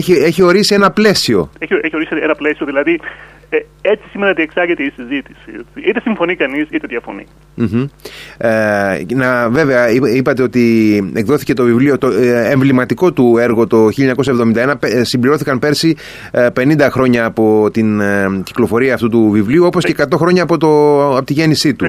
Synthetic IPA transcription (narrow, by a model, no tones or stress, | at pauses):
eçie̞çio̞ɾisie̞nɐple̞sio̞eçeçioɾisienɐplesio̞ðilɐði | e | et͡si̥simenɐot̪ieksɐɾʝet̪eisizit̪i̥siet͡siit̪esiɱfo̞nikɐnisit̪eðʝɐfo̞̰nḭ | m̩ç̩enɐve̞ve̞ɐiipɐt̪e̞o̞t̪iekðo̞θi̥ce̞t̪ovivliot̪oeɱvlimɐt̪iko̞t̪ue̞ɾɣo̞t̪o̞çiʎɐɲɐko̞sɐevðo̞mind̪ɐenɐpesimbliɾo̞θikɐmpe̞ɾsi | pe̞nind̪ɐxɾo̞ɲɐːpo̞t̪inci̥klo̞fo̞ɾiɐːft̪ut̪uvivliuo̞po̞scekɐt̪o̞xɾo̞ɲɐːpo̞t̪oɐpot̪iʝe̞nisit̪u